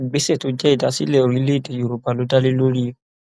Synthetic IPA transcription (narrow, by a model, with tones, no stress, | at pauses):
ɡ͡be˨˦se˦˨to˨˦d͡ʒɛ˦i˦˨da˨˦sḭ˦lɛ˦o˨ɾĩ˨˦le˦i˦˨de˨jo˨ɾo˨ba˨lo˨˦da˦le˦lo˦ɾi˦o˦